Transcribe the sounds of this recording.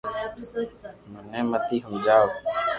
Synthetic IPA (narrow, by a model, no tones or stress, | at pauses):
mənẽːmət̪iːɦũːd͡ʒaːo